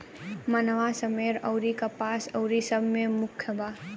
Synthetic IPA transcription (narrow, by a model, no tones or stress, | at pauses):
mənʋasəmeɾə̰ʊɾikapaːsəʊɾisəbʱmemʊkʰjəbaː